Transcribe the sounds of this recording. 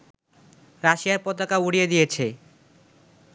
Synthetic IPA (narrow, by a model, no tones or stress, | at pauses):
ɾaʃijaɾpɔt̪akauɽijed̪ijet͡ɕʰe